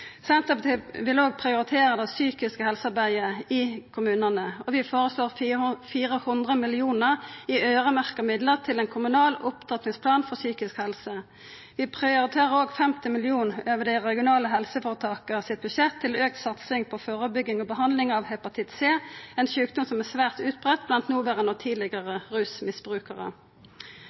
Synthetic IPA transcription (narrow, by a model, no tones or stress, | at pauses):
sɛnt̪əp̪ʋɪloːɡ̚pʰʁɪʊɾɪt̪ʰeːʁəd̪ɑsyːkɪskəhɛlsɑʁbæɪəɪkʰʊmʉːnənəɔʋɪfoːʁəsloːʁfiːʁəhʊnd̪ʁəmɪlɪuːnəʁiøːʁəmæʁkəmɪd̪ləʁt̪ʰɪlɛnkʰʊmʉnɑːlʊpt̪ʰɑt̪nɪŋspʰlɑːnfɔʁsyːkɪskhɛlsə | ʋɪpʰʁɛʊʁɪt̪ʰeːʁəoːɡfɛmt̪ɪmɪlɪuːnøːʋədiʁɛɡɪʊnɑːləɦɛlsəfoːʁət̪ʰɑːkəsɪt̪̚bʉʃɛt̪ʰːɪløːk̚t̪sɑt̪sɪŋpʰɔfoːʁəbʏɡːɪŋɔːbəɦɑnd̪lɪŋɑʋhɛpɑt̪ʰɪt̪seːɛnʃʉːkd̪ʊmsɔmæsʋæːʁt̪ʉːt̪̚bʁɛt̪ːblɑnt̪nuːʋæɾənɔt̪ʰiːd̪lɪɡəʁəʁʉːsmɪsb̥ʁʉːkəʁə̰